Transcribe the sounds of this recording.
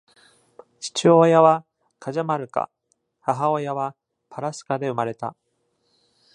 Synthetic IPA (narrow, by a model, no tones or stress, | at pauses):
ɕi̥t͡ɕiojaβa | kʰaʑamaɾɯ̟ka̰ | haɦaojaβa | pʰaɾasɨ̥kad̪e̞ɯ̟maɾe̞t̪a